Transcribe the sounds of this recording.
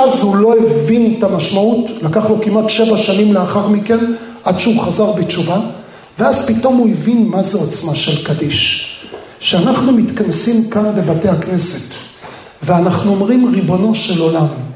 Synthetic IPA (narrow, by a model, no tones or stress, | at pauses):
azhulo̞evintamaʃmautlakaχlo̞kimatʃe̞vaʃanimle̞aχaʁmike̞nʔadʃehuχazaʁbet͡ʃuva | veazpito̞mhuevinmazeot͡smaʃe̞lkadiʃ | ʃeanaχnumit̪kansimkanbe̞bate̞hakne̞se̞t | veanaχnuo̞mʁimʁibo̞no̞ʃelo̞lam